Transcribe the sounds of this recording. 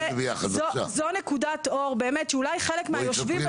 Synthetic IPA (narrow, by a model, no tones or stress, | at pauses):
vijaχaozonekudat̪o̞ʁbe̞ːmetʃɛulajχelekmeajoʃvi